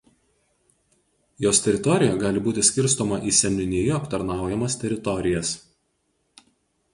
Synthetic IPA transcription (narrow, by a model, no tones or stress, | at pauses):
joːsʲt̪ʲɛɾʲɪt̪ɔɾʲɪjɛɡɑːlʲɪbuːt̪ʲɪsʲkʲɪɾˑs̬t̪ɔːmɐʔiːsʲɛnʲʊnʲiːjʊɐpt̪ɐɾnɑˑʊjɛmɐst̪ʲɛɾʲɪt̪ɔɾʲɪjɛs